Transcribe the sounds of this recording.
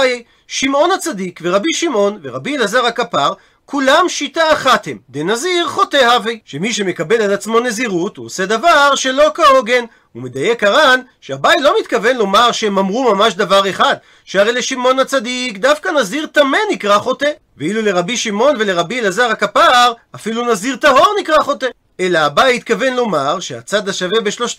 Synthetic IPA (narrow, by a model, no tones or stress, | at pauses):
jej | ʃimʔo̞nhat͡sadikve̞ʁabiʃimo̞nveʁabilazaʁhakapaʁ | kulamʃitaːχat̪he̞md̪enaziʁχo̞tehavejʃemiʃ̬e̞me̞kabe̞lalat͡smo̞ne̞ziʁut̪uosed̪avaʁʃe̞lo̞kao̞ɡe̞n | umed̪ajekaʁanʃeabajlo̞mit̪kave̞nlo̞maʁʃeemamʁumamaʃd̪avaʁe̞χad̪ | ʃeaʁejleʃimo̞nhat͡sad̪ikd̪afkanaziʁt̪ame̞nikʁaχo̞t̪e | veilule̞ʁabiʃimo̞nve̞le̞ʁabielazaʁakapaʁafilunaziʁt̪aɦo̞ʁnikʁaχo̞t̪e | e̞laːbajit̪kave̞nlo̞maʁʃea̰t͡sad̪aʃave̞beʃlo̞ʃ